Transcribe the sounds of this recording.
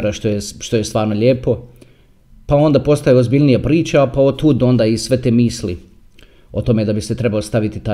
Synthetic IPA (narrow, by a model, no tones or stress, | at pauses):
ɾaʃt̪ojeʃt̪o̞jest̪ʋaːɾno̞ʎʲeːpo̞ | pao̞nd̪apo̞st̪ajeozbiʎʲnijapɾiːt͡ɕapaot̪uːd̪o̞nd̪aisʋe̞t̪eːmiːsli | o̞t̪o̞me̞d̪abise̞t̪ɾe̞balost̪aʋit̪it̪a